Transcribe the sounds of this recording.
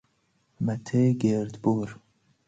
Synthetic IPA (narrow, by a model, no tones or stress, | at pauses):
mɛt̪ʰeːɡeːɾd̪buːɾ